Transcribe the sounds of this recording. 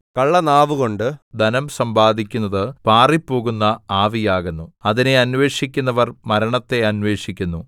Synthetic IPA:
kɐɭːɐnaːʋuko̞ɳɖɨd̪ɐnɐmsɐmbaːd̪ʱikʲːunːɐðɨpaːripːo̞ːɣunːɐaːʋijaːɣenːuɐðine̞ɐnʋe̞ːʂikʲːunːɐʋɐrmɐɾɐɳɐt̪ːe̞ɐnʋe̞ːʂikʲːunːu

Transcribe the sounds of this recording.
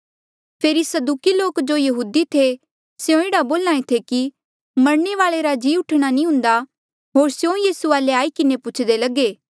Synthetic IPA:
pʰeːɾisɐd̪uːkiloːkd͡ʒoːjɐɦuːd̪it̪ʰe | sejõeɽaboːlãːẽt̪ʰeki | mɐɾɳeʋaːɭeɾad͡ʒiːʊʈʰɽ̃anĩɦʊ̃nd̪a | ɦoːɾsjõjiːsuaːleaːikɪnepʊt͡ʃʰd̪elɐɡeː

